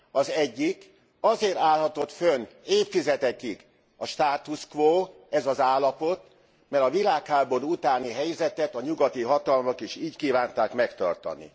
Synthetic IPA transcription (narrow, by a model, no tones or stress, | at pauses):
ɒzɛɟːik | ɒzeːɾaːlɦɒt̪o̞t̪føneːpfizɛt̪ɛkik | ɒʃt̪aːt̪uskʋoː | ɛzɒzaːlːɒpo̞t̪ | mɛɾɒvilaːkhaːbo̞ɾuːut̪aːniɦɛjzɛt̪ɛt̪ɒɲuɡɒt̪iɦɒt̪ɒlmokiʃiːckiːvaːnt̪aːkmɛkt̪ɒ̰rt̪ɒ̰nḭ